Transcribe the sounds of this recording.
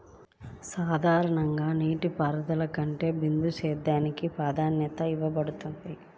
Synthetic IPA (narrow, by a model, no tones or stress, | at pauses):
saːd̪ʱaːɾɐɳɐŋɡaːniːʈipaːɾɐd̪ɐlɐkɐɳʈe̞ːbind̪ut͡ʃɛːd̪ːaːnikipaːd̪ʱaːnjɐt̪ɐiʋɐbɐɽut̪und̪i